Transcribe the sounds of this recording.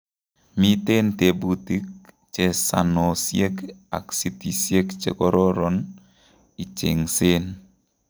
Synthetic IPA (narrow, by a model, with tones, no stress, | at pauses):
mi˦te˦nte˨bu˦ti˦k̚ | t͡ʃe˨sa̰˨nɔ˨sje˦ka̰˨ksi˦ti˨sje˦kt͡ʃḛ˨kɔ˦ɾɔ˦ɾɔ˨n | i˨t͡ʃe˨ŋse˦n